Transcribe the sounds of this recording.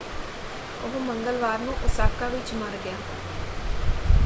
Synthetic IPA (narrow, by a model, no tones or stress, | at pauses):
oɦõːməŋɡəlʋaːɾnũːʔʊsaːkaːʋɪt͡ʃməɾɡɪjaː